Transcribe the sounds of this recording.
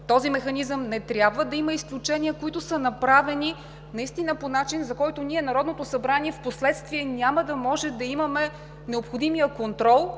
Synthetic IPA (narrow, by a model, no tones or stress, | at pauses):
t̪ɔzimɛxɐnizəmnɛt̪ɾʲjabvəd̪ɐiməisklʲut͡ʃɛniəkoit̪ʊsənɐpɾavɛni | nɐist̪inəponat͡ʃinzɐkɔjt̪ʊniɛnɐɾɔd̪not̪osɐbɾaniɛfposlɛt̪st̪viɛnʲaməd̪ɐmɔʒɛd̪ɐimɐmɛ | nɛopxod̪imijəkont̪ɾɔlˠ